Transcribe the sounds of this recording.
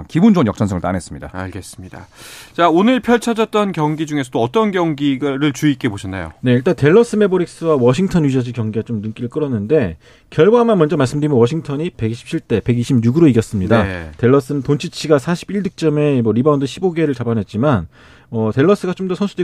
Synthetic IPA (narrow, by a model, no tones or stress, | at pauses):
kibund͡ʑoŋjʌk̚t͡ɕ͈ʰʌnsʰʌŋɭt͈a̰nes͈ɯmɲida̰a̰ɭɡe̞s͈ɯmɲida̰t͡ɕaonɯɭpʰjʌɭt͡ɕʰʌd͡ʑʌt̚t͈ʌnkjʌŋɡid͡ʑuŋesʰʌtoʌt͈ʌnɡjʌŋɡiɡɾɯɭt͡ɕuik͈e̞boɕʰʌnːa̰jo̰ne̞iɭt͈ante̞ɭːʌs͈ɯme̞boɾik̚s͈ɯwawʌɕʰiŋtʰʌnɥid͡ʑʌd͡ʑiɭkjʌŋɡiɡat͡ɕomnɯŋk͈iɾɯɭk͈ɯɾʌnːɯnde̞ | kjʌɭɡaamanmwʌnd͡ʑʌmaɭs͈ɯmdɯɾimʌnwʌɕʰiŋtʰʌɲipe̞kɕʰi̥pt͡ɕʰiɭt͈e̞pe̞ɡiɕʰib̚ɲuɡɯɾoiɡjʌs͈ɯmɲidate̞ɭːʌs͈ɯnɯntont͡ɕʰit͡ɕʰiɡasʰaɕʰibiɭdɯk̚t͡ɕ͈ʌme̞mwʌɾibaundɯɕʰiboɡe̞ɾɯɭt͡ɕabanɦe̞t̚t͡ɕ͈iman | ʌte̞ɭːʌs͈ɯɡat͡ɕomdʌsʰʌnsʰude